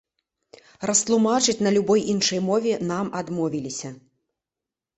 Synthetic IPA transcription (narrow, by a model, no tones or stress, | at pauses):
rɐst̪lˠumat͡ʂɨt͡sʲnɐlʲubɔjʔinʂɐjmɔvʲɛnamad̪mɔvʲilʲisʲɐ